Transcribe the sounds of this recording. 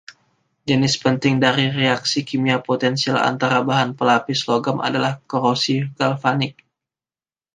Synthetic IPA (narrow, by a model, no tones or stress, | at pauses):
d͡ʒənɪspənt̪ɪŋdaɾireaksikimiapot̪ɛnsiala̰nt̪aɾabaɦanpəlapisloɡama̰dalahkoɾosiɡalfanɪk̚